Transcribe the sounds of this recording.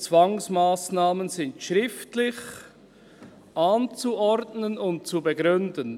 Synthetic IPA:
t͡svaŋsmaːsnaːmənzɪntʃɾɪftlɪç | ʔaːnt͡suʔɔɾtnənʊnt̚t͡subəɡɾʏndən

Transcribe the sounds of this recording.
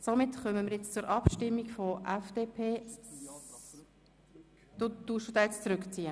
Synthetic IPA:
somɪtχœməməɾjɛt͡st͡sʊɾʔɑpʃtɪmːikfɔʔæfd̥eːpʰeː | d̪̥ot̪uːʃtud̥̪aːjɛt͡st͡sɾʏkt͡siə

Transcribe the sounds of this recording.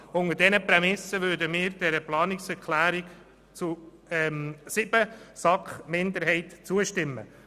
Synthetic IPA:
ʊŋədɛnəprɛmɪsəʋødəmɪːɾd̥ɛɾəplɑːnɪksɛɾkʰlæːɾɪk | t͡su | ɛmsɪb̥əsɑkχmɪnd̪əɾɦɛɪtt͡suəʃtɪmːə̰

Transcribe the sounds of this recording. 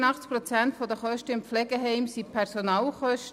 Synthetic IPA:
nɑχt͡spɾɔt͡sænt̪fɔd̪əχœʃtəɪmpflɛɡəɦɛɪmsipʰɛɾsonɑːlχœʃt

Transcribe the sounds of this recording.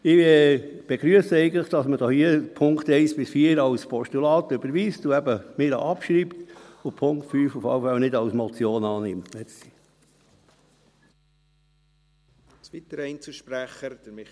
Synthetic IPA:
ɪɛ | b̥eɡ̥ɾyəsəɛɪɡən̩tləχd̥ɑsməd̥ohiəpʰʊŋkt̪ɛɪsb̥ɪsfiːəɾɑwspʰɔʃtulɑːt̪øbəɾʋiːstuæbəmɪːɾɑ̰ʔɑpʃɾiːpt̪ʊpʰʊŋktfyːfʊfɑ̰wfɑlnɪdɑwsmɔt͡sjoːnɑːnɪmtɛsi | sʋit̪əɾɛɪnt͡suʃpɾæχəd̥əɾmɪ

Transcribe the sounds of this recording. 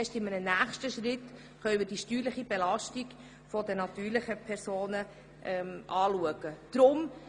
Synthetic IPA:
ʃtɪmənənæːχʃtəʃrɪt | χœɥmɪd̥iʃtyːɾləχibelɑʃtiɡ | fɔdənɑt̪yːɾlɪχəpʰɛɾsoːnə | ʔɛʔɑːluəɡəd̪̥ɾʊm

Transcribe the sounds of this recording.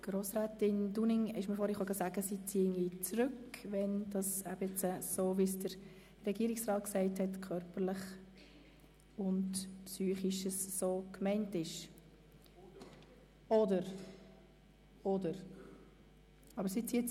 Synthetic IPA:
ɡ̥ɾoːsɾɛːtɪnd̥unɪŋɪʃməɾfoːɾhiχoɡɑsæɡəsit͡siːŋit͡sɾʏkʋɛnd̥ɑsæbɛt͡səsoːvisd̥əɾ | rɛɡiːɾɪksrɑːt̚ksɛɪthɛtkʰœɾpərləχ | ʊntpsyːχɪʃəssoːkmɛɪntɪʃ | ɔdəɾ | ɔdəɾ | ɑbəɾsit͡siːə

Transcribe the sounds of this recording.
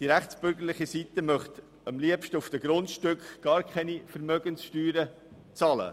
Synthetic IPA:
d̥iɾæχt͡sb̥ʏɾɡəɾlɪχisit̪əmœχt̪ | əmliəpʃtəufd̥əɡɾʊntʃtʏkχɡ̥ɑːɾkʰχɛnifəɾmœɡənsʃtyːɾə | t͡sɑːlə̰

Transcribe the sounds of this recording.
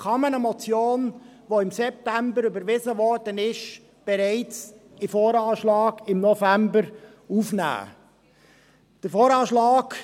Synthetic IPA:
χɑmənəmɔt͡sjoːnʋoɪmsɛp̚tæmbəɾybəɾʋɪzəʋɔɾd̥ənɪʃ | b̥ɛɾɛɪt͡sɪfoːɾɑːʃlɑːɡɪmnɔfæmbəɾ | ufnæ̰ː | d̥əɾfoːɾɑːʃlɑːɡ̥

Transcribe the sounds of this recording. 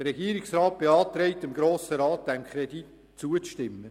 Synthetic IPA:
d̥əɾɛɡiːəɾɪksrɑːt̚b̥eɑːt̪ɾɛɪt̪ɪmɡɾoːsəɾɑːt̚d̥̪ɛmkʰχɾedit | t͡suət͡sʃtɪmːə

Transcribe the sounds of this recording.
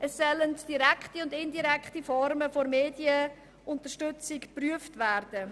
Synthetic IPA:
ʔɛsːœləntd̥iɾɛkχtiʊndɪndiɾɛkχtifɔɾməfoɾmeːdjə | ʔʊntəʃtʏt͡sɪkpryəftvæɾd̥ə

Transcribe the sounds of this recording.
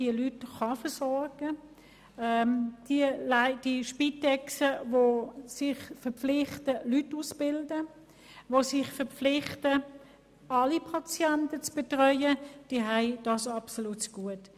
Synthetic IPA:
d̥iəlytχɑfəsɔɾɡ̥ə | ɛd̥iəlaɪd̥iʃpitɛksəvosɪχfəpp͡flɪχtəlytːusb̥ɪldə | vosɪχfəʁflɪχtə | ɑlipʰɑt͡sjɛntət͡sb̥etʁœʏəd̥iːɦæɪd̥ɑsɑpsolutsɡ̥uət

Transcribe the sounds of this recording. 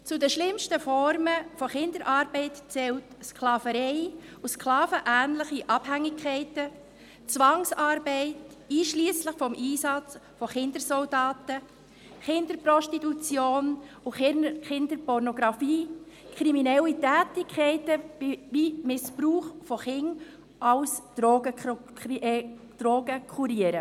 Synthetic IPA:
t͡sudəʃlɪmʃtəfɔɾməfɔχɪndəɾʔɑːɾbɛɪtt͡sɛltsklɑːfəɾɛɪ | usklɑːfəʔæːnləχiʔɑb̥hæŋːɪkʰχɛɪtə | t͡sʋɑŋsɑːɾbɛɪt | iːʃliːəslɪχfɔmʔiːsɑt͡sfɔχɪndəɾsɔldɑːtə | χɪnd̥̪əɾpɾɔʃtitut͡sjoːn | uχɪndəɾpɔɾnɔɡ̥ɾɑfiː | kʰɾiminɛlːitæːtɪkʰːɛɪtəvivimɪspɾuːχfɔχɪŋ | ʔɑʊsd̥ɾoɡə | d̥ɾoːɡəkʰuɾiəɾə

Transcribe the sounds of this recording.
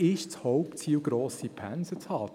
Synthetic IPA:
ɪʃt͡shɔʊpt͡siːlɡɾoːsipʰænsət͡shɑː

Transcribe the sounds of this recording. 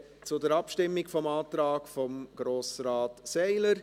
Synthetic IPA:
t͡sʊdɛɾɑpʃtɪmːɪɡfɔmaːt̪ɾaːkfɔmɡ̥ɾoːsɾaːtsɛɪləɾ

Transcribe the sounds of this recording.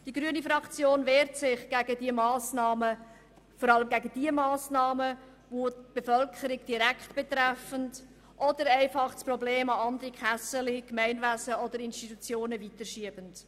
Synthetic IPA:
d̥iɡɾyənifɾɑkt͡sjoːnveːɾtsɪχɡ̥æɡədiəmɑːsnɑːmə | fɔɾɑləmɡæɡəd̥iəmɑːsnɑːmə | voːtb̥efœlkʰəɾiɡd̥iɾækχtb̥ɛt̪ɾɛfənd | ʔɔd̥əɾæɪfɑχsprɔbleːmɑɑnd̪əɾikχæsəlikmɛɪnvæsəɔd̥̪əɾɪnstitut͡sjoːnəvitəɾʃiəb̥ənd

